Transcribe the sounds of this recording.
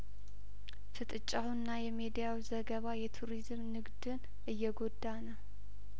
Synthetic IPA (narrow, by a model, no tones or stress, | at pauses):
fɨt̪ʼɨt͡ʃʼːawnːajɛmed̪ijawzəɡəβajɛt̪ʰuɾizmnɨɡd̪ɨn | ʔɨjːɛɡo̞d̪ːanə